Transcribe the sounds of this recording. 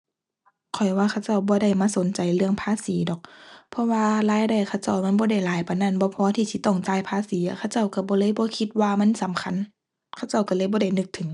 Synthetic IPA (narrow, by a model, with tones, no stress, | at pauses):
kʰɔ˨˩jwaː˧xʰa˧˩wt͡ɕa˧˩wbɔː˧˦da˧˩jmaː˧˨so˨˦nt͡ɕa˨jlɯ˧əŋpʰaː˧˨siː˨˦dɔː˨˩k̚pʰɔ˧waː˧laː˧˥˨jda˧˩jkʰa˧˩˨wt͡ɕa˧˩˨wma˧˥˨nbɔː˧˦da˧˩jlaː˨˦jpa˨na˧˥˨nbɔː˧˦pʰɔː˧˥t̪ʰiː˧˩si˧˦t̪ɔ˧˩ŋt͡ɕaː˧˥˨jpʰaː˧˨siː˨˦ʔa˧˩kʰa˧˨wt͡ɕa˧˩˨wka˧˩bɔː˧˦lɤː˧˥˨jbɔː˧˦kʰi˧t̪̚waː˧ma˧˥˨nsa˨˦mkʰa˧˥˨n | kʰa˧˥˨wt͡ɕa˧˩wka˧˩lɤː˧˨jbɔː˧˦ɾa˧˩jnɯ˧˥k̚t̪ʰɯ˨˩˦ŋ